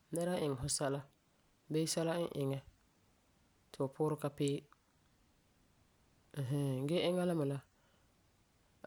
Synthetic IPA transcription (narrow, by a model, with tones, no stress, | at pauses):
nɛ˦ɾa˦ʔɪ˨ŋɛ˨ɦʊ˦sa˦la˦ | beː˦sa˦la˦ʔɪ˨ŋɛ˦ | tɪ˨ʊ˨pʰʊː˦ɾɪ˦ka˦pɪː˦˨ | ɦa˦ɡɛ˦ʔɪ˦ŋa˦la˦ma˨la˦